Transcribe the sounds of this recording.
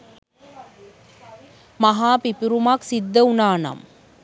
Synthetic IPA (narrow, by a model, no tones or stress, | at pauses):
maɦaːpipiɾumaksid̪ːəunaːna̰m